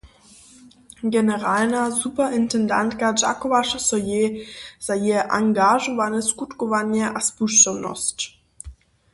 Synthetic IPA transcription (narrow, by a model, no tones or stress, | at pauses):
ɡɛnɛʁalnazupɐʔɪntɛnda̰ntkad͡ʒa̰kɔvaʂsɔjez̥ajeʔa̰ŋɡaʒɔvanəskutkɔvaɲjəʔaspuʃtɔwnɔ̰st